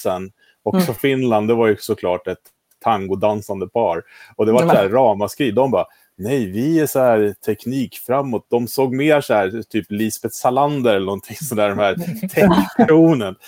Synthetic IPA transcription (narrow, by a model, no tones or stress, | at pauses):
ɛn | ɔksɔfɪnland̪ɛvaɾjɵsɔkʰlɑːʈɛt̪ʰː | aŋɡʊd̪ansand̪əpʰɑːɾɔd̪ɛvaʈsæːɑːmaskɾiːd̪ɔmbɑː | nɛjvɪæʂɔhæːɾt̪ʰɛkniːkfɾamːɔt̪̚d̪ɔmsoːɡmeːʂɔæːɾt̪ʰyːpliːsbɛt̪saland̪əɾɛlːəɳnɔnt̪ʰɪŋsɔnd̪æːɖɔmhæːɾt̪ʰɛtɾuːnən